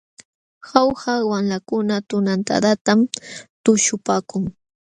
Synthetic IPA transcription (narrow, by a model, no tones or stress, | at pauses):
xawhawamlakʊnat̪ʊnant̪a̰t̪at̪amt̪ʊʃʊpaːkʊŋ